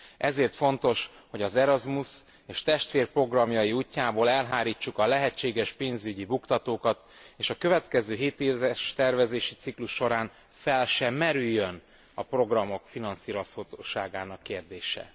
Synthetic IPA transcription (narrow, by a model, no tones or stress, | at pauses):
ʔɛzeːrt̪fo̞n̪t̪o̞ʃ | ho̞ɟɒzɛɾɒzmus | eːʃt̪ɛʃt̪ʋeːrpro̞ɡrɒmjɒjiuːcːaːboːlɛlɦaːɾiːt͡ʃːukɒlɛɦɛt͡ʃːeːɡɛʃpeːnzyɟibukt̪ɒt̪oːkɒt̪eːʃɒkøvɛt̪kɛzøːɦeːt̪eːzɛʃt̪ɛrvɛzeːʃit̪sikluʃːo̞ɾaːn | fɛlʃɛmmːɛɾyjːøn | ɒpro̞ɡrɒmo̞kfinɒnsiːɾoshot̪oːʃaːɡaːnɒkːeːrd̪eːʃɛ̰